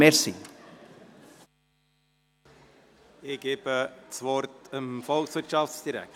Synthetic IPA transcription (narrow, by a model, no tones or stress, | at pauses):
ɛɾsi | ɪɡ̥eb̥əsʋɔɾtəmfɔlksʋɪɾtʃɑftsd̪̥iɾæ̰k